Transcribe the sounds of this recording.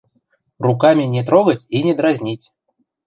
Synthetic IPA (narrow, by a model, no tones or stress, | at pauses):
rukamʲɪnʲɪt̪ɾoɡətʲinʲɪd̪ɾazʲnʲitʲ